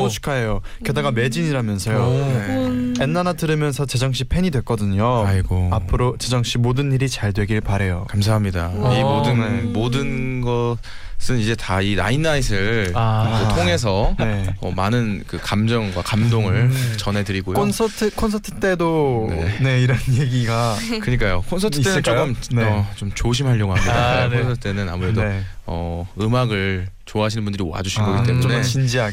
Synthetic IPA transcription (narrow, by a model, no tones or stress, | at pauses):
oɕʰi̥kʰaejo | kjedaɡame̞d͡ʑiɲiɾamjʌnsʰʌjoneenːanatɯɾɯmjʌnsʰʌt͡ɕe̞d͡ʑʌŋɕ͈ipʰe̞ɲidwe̞k͈ʌdɯɲoiɡoapʰɯɾot͡ɕed͡ʑʌŋɕ͈imodɯnːiɾit͡ɕaɭdwe̞ɡiɭpaɾe̞jokamsʰaɦamɲidaimodɯnemodɯnɡʌ | sʰɯnid͡ʑe̞taiɾainːais̬ʰɯɭaɯtʰoŋe̞s̬ʰʌne̞ʌmanɯnkɯkamd͡ʑʌŋɡwakamdoŋɯɭt͡ɕʌnɦe̞dɯɾiɡojoonsʰʌtʰɯkʰonsʰʌtʰɯ̥t͈e̞donḛ̞ne̞iɾʌnjeɡiɡakɯɲik̬͈ajokʰonsʰʌtʰɯt͈e̞nɯnt͡ɕok͈ɯmnʌt͡ɕomt͡ɕoɕ̬ʰimɦaʎːjoɡoɦamidaonsʰʌtʰɯ̥t͈enɯna̰muɾe̞doʌɯmaɡɯɭt͡ɕoaɦaɕʰinɯnbundɯɾiwa̰d͡ʑuɕʰinɡʌɡitt͈e̞mune̞t͡ɕind͡ʑia